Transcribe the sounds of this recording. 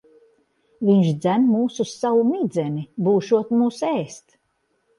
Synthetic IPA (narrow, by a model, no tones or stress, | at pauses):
viɲʃd̪zænmuːsusawumid̪zɛnibuːʃuɔt̪muːsɛːst̪